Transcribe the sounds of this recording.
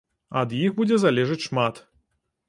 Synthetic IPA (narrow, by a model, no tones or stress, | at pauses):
ɐ̰d̪jixbud͡zʲɛzalʲɛʐɨt͡sʲʂmat̪